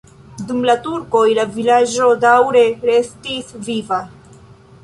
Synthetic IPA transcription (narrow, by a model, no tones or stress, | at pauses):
dumlatuɾko̞jlavilad͡ʒo̞dawɾe̞ɾe̞stisviva